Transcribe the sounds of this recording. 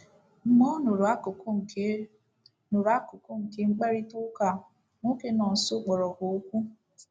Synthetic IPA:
m̩˦mɔ˦no˨ɾa˦ko˨ko˦˨˦ | no˨ɾa˦kʊ˨ko˦ŋ̩˨ke˦ŋ͡m̩˦k͡pa˦ɾi˦tu˦ka˨ | ŋo˦ke˦nɔ˨n̩˨sʊ˦k͡pɔ˨ɾɔ˨ɡo˨o˦kʷu˦

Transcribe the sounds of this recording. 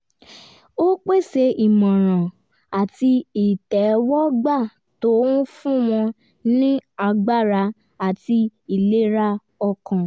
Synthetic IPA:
o˦k͡pe˦˨se˧i˨mɔ̃˨ɾ̃ã˨ | a˨ti˧i˨tɛ˨˦wɔ˦ɡ͡ba˦˨ | to˦ũ˦fũ˦w̃ɔ̃˧ | nĩ˦a˧ɡ͡ba˦˨ɾa˧ | a˨ti˧i˨le˦ɾa˦ | ɔ˧kã˨˧

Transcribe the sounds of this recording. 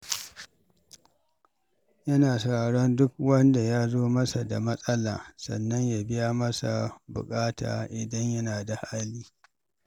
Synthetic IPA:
jɐ˦naː˨sɐ˨ɽaː˨ɽɔ˦ndʊ˦k̚wɐ˦nda˨jaː˦zoː˦mɐ˦sa˨da˨mɐ˦sʼɐ˦la̰ː˨sɐ̰˨nːɐ˦ɲja˨bɪ˦ja˦mɐ˦sa̰˨bʊ̰˨kʼaː˦ta̰ː˨ʔɪ˨dɐ˦ɲjɐ˦naː˨da˨haː˦liː˦

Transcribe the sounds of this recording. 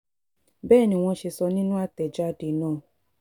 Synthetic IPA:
bɛː˦˨nĩ˧w̃ɔ̃˧ʃe˧sɔ˧nĩ˦nũ˦a˦˨tɛ˨d͡ʒa˦˨de˨˦nãː˦˨

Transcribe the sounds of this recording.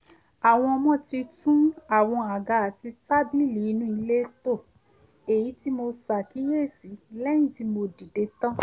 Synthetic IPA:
a˨w̃ɔ̃˧ɔ˧mɔ̃˦ti˧tũ˦a˦˨w̃ɔ̃˧a˨ɡa˨a˨ti˧ta˦bi˦li˨˦nũ˦i˧le˦to˦˨ | e˨ji˨˦ti˦mo˧sa˨ki˨˦je˦˨si˨˦lɛ̃˦ĩ˦˨ti˧˦mo˧di˨de˨˧˦tɔ̃˦

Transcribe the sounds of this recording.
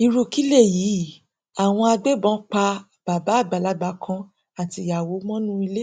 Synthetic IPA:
i˧ɾu˧ki˦le˦˨jiː˨˦ | a˨w̃ɔ̃˧a˧ɡ͡be˦bɔ̃˨˦k͡pa˧ | b̥a˨ba˨˦˨ɡ͡ba˨la˨˦ɡ͡ba˨˦kʰã˧ | a˨ti˧˨ja˨wo˨˦mɔ̃˦nũ˦i˧le˦

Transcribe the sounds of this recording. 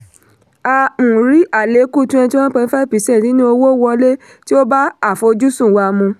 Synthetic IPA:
a˧ũ˨ɾi˨˦ʔa˦˨le˨˦ku˦˨˧tũ˦ɛ̃˧ti˦wɔ̃˦k͡pɛ˧˦fɛ˦pi˨˦sɛ˦˨nĩ˨˦nĩ˦o˧wo˦wɔ˧le˦ | ti˦o˦ba˦a˦˨fo˧d͡ʒu˦sũ˦˨wa˧˨mũ˧

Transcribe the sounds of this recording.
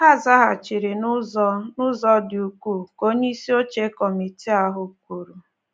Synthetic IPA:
ɦa˦˨za˦ɦa˨t͡ʃi˨ɾi˨nʊ˦ɔ˦nʊ˦zɔ˦dɪ˨u˨kʷu˦˨ko˦ɲe˦i˦si˦o˦t͡ʃe˦kɔ˨mi˨ti˦a˦ɦʊ˨kʷu˨ɾu˨

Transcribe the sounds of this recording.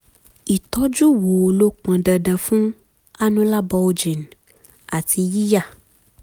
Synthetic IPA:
i˨t̪ɔ˦d͡ʒu˦wo˨lo˦k͡pã˨ɖə˨ɖə̃˨fũ˦ | a˦nũ˦la˦bɔ˧wo˨d͡ʒi˨n˨ | a˨tʰi˧ji˦ja˦˨

